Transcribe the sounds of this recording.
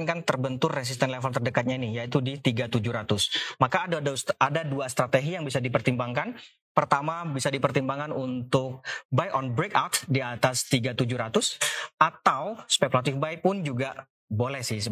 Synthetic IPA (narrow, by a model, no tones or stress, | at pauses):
nkant̪ərbənt̪ʊrːɛs̬ist̪ɛnlefəlt̪ərdəkat̪̚ɲainɪjait̪udit̪iɡat̪ud͡ʒʊhɾat̪ʊsmakaːdadaduast̪ɾat̪eɡijaŋbisadipərt̪imbaŋkan | pərt̪amabisadipərt̪imbaŋanunt̪ʊk̚bajʔɔnbɾekawt̪diat̪ast̪iɡat̪ud͡ʒʊhɾat̪ʊsʔat̪awspekulat̪ɪfbajpʊnd͡ʒuɡa | bolɛhsɪhsə